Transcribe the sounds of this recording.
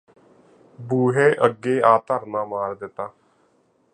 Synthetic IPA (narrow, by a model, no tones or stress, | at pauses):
buːɦeːʔəɡːeːaːt̪əɾnãːmaːɾd̪ɪt̪aː